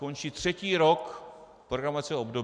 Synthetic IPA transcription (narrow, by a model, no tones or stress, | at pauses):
o̞nt͡ʃiːt̪r̝̥ɛciːɾo̞k | pɾoɡɾamoat͡sɪobdo